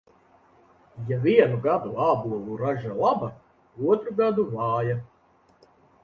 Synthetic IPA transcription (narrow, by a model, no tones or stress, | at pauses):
javiɛnuɡad̪uaːbuɔlˠuɾaʒalˠaba | uɔt̪ɾuɡad̪uvɑːja